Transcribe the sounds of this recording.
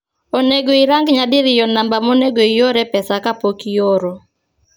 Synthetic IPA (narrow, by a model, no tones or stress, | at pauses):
oneɡoiɾaŋɡɲadɪɾɪjɔnambamoneɡoijoɾɛpɛsakapokijoɾo